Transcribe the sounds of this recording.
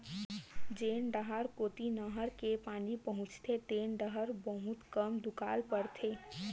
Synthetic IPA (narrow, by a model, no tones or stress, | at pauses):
d͡ʒeːnɖəɦaɾkoːt̪inɐɦəɾkepaːnipɐɦʊ̃t͡ʃt̪ʰet̪eːnɖəɦəɾbəɦʊ̃t̪kəmd̪ʊkaːlpəɾt̪ʰeː